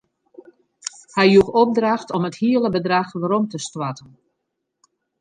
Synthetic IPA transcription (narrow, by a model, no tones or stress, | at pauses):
hɛjjukɔp̚draxtɔməthiələbədraxʋaɾɔmtəstwatən